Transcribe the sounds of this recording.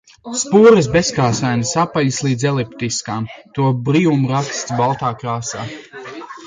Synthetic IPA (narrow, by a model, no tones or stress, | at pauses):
spuːɾɨs̬beskaːsajnɨsapaʎislˠiːd̪zɛlˠipt̪iskaːmt̪uɔbɾijumuɾakst̪sbalˠt̪aːkɾaːsaː